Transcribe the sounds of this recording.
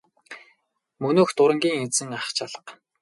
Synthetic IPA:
mɵnoːxt̪ʊɾə̆ŋɡʲiːŋet͡sɘ̆ŋaχt͡ɕʰaɮə̥̆q

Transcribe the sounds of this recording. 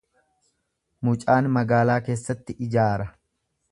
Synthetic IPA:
mʊt͡ʃʼaːnmɐɡaːlaːke̞ːsːɐt̪ːɪʔɪd͡ʒaːɾɐ

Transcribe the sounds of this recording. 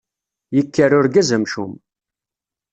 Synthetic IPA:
jəkːərʊɾɡæzəmʃum

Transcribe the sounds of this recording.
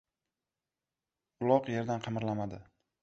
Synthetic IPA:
ʊlˠɒqje̞ɾd̪anqʰɑmɪɾlamad̪ɪ

